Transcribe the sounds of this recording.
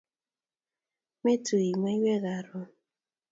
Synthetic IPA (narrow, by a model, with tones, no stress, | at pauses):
me˦tʰu˨i˨mwe˦i˦we˦ɣa˨ɾʊ˦